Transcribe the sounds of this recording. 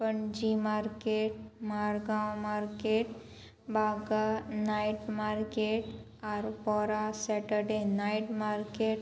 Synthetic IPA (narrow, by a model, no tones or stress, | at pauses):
pəɳd͡ʑimaɾkeʈmaɾɡãwmaɾkeʈ | baɡanajʈmaɾkeʈ | aɾpɔɾasɛʈəɾɖenajʈmaɾkeʈ